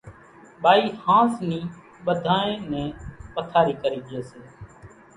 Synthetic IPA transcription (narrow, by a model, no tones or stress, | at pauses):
ɓaːiːhãːsniː | ɓəd̪ʱaːẽːnɛ̃ːpət̪ʰaːɾiːkəɾiːd͡ʒɪeːseː